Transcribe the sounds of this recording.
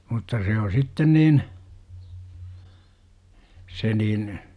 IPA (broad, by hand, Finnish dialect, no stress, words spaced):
mutːɑ se o sitːen niːn se niːn